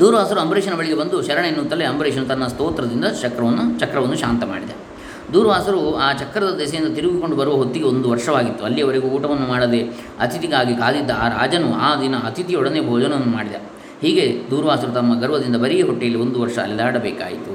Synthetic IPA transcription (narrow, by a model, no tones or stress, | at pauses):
d̪uːɾɐʋaːsɐɾuɐmbɾeːʃɐnɐbɐɭiɡe̞bɐnd̪uʃɐɾɐɳenːuːt̪ːɐlːeɐmbɾeːʃɐnut̪ɐnːɐst̪oːt̪ɾɐd̪ind̪ɐt͡ʃɐkɾɐʋɐnːut͡ʃɐkɾɐʋɐnːuʃaːnt̪ɐma̰ːɽid̪e | d̪uːɾɐʋaːsɐɾuaːt͡ʃɐkːɾɐd̪ɐd̪ɛsɐjind̪ɐt̪iɾuɡiko̞ɳɖubɐɾuʋɐɦot̪ːiɡeo̞nd̪uʋɐɾʂɐʋaːɡit̪ːuɐlːijɐʋɐɾeɡuuːʈɐʋɐnːumaːɽɐd̪e̞ | ɐt̪it̪iɡaːɡikaːd̪id̪ːɐːɾa̰ːd͡ʒɐnuaːd̪inɐɐt̪it̪iɔɽɐnebʱɔːd͡ʒɐnɐʋɐnːumaːɽid̪ḛ | hiːɡe̞d̪uːɾɐʋaːsɐɾut̪ɐmːɐɡɐɾʋɐd̪ind̪ɐbɐɾijɐɦoʈːijɐlːio̞nd̪uʋɐɾʂɐɐ̰lid̪aːɽɐbɛːka̰ːjit̪u